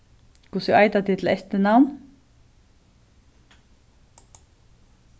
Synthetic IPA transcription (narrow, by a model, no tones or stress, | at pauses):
kʰvɔsʏʔaːjt̪at̪ʰɪt̪ʰɪlɛ̰ht̪ɪnawn